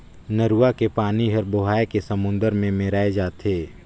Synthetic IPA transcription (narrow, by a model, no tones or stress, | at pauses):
nəɾuːakepaːniɦɐɾboɦaːekesəmʊ̃nd̪əɾmẽmeɾaːed͡ʒaːt̪eː